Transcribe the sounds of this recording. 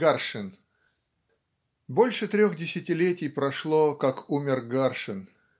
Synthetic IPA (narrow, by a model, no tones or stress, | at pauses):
ɡarʂɨn | bo̞lʲʂɨt̪ɾʲoxdʲɪsʲɪtʲɪlʲetʲɪjpɾɐʂlˠokakumʲɪrɡarʂɨn